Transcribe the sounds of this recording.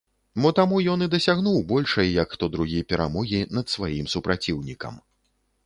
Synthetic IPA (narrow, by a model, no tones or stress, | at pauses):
mɔt̪amujɔnid̪ɐsʲaɣnuwbɔlʲʂɐjjɐkxt̪ɔd̪ɾuɣʲijpʲɛɾa̰mɔɣʲinɐt̪svajimsupɾat͡sʲiwnʲikɐ̰m